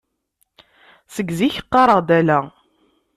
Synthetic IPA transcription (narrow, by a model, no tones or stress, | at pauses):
səɡziçə̥qːɑɾˤəʁd̪ælæ